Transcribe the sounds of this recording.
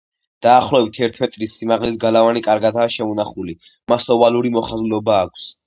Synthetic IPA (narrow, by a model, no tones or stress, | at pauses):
d̪̥aːχlˠɔbit̪ʰɛɾt̪ʰmɛt̪ʼɾisːimaʁlisɡalavanikʼaɾɡad̪aːʃɛunaχuli | masɔvaluɾimɔχazlɔbaːkʰs